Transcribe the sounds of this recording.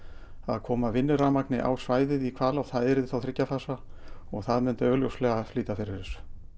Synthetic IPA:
a̰ðkʰɔːmavɪnːʏɾamaknɪʔa̰wsvaːjðɪðikʰvaːlawθaðɛɾɪðθawθɾɪcːafaːsaɔɣθaðmʏnt̪œːɣljowslɛɣafliːt̪afɪɾɪɾɪs

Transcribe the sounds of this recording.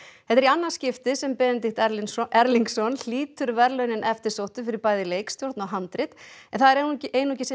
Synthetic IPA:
hɛht̪ɛɾianːḁscɪft̪ɪsɛmpɛːðɪnt̪ɪht̪ɛɾliŋksɔnl̥iːt̪ʏɾvɛɾlœɥnɪnʔɛft̪ɪ̥sowht̪ʏfɪɾɪɾpaːjðɪleːjkst̪jowɾt̪nawɦant̪ɾɪt̪ɛnθaðɛɾeʔeːjnuhcɪsɛ

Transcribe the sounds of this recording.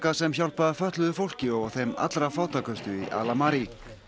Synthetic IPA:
kasɛmçawl̥paðafœht̪lʏðʏfowl̥cɪɔɣθejma̰t̪lɾafaːwt̪akœst̪ʏiʔa̰ːlamaɾi

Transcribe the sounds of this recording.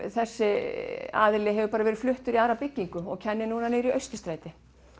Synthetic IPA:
θɛsːɪa̰ðlɪɦɛvʏpaːɾavɛːɾɪ̥flʏht̪ʏɾiaːðɾapɪcːiŋkʏɔɣcʰɛnːɪnuːnaneːɾiœɥst̪ɪst̪ɾaːjt̪ɪ

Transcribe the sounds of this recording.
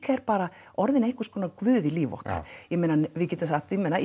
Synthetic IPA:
kʰɛɾpaːɾa | ɔɾðɪnejhŋkʏ̥skʰɔːnakvʏːðɪliːvɔ̰hka̰ɾjɛmeːnanvɪðcɛːt̪ʏmθat̪imɛna

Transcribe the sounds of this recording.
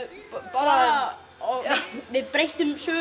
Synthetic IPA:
paɾa | ɔvɪðpɾejht̪ʏmsœː

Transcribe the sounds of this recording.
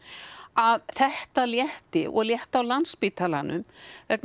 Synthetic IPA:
aðθɛht̪aljɛht̪ɪʔɔ̰ɣljɛht̪awlanspit̪ʰalanʏ̰mvɛkn

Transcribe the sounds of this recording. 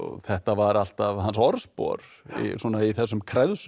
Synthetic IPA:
ɔ̰ɣθɛht̪avaɾal̥t̪avɦansɔɾspɔ̰ɾ | ḭsɔːnaiθɛsːʏmkʰɾɛðsʏ

